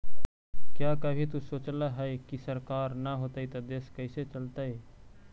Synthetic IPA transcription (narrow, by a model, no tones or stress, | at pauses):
kjakəbʱit̪usoːt͡ʃləɦəjkisəɾkaːɾnaɦot̪əit̪ɐd̪eːskəɪset͡ʃəlt̪ae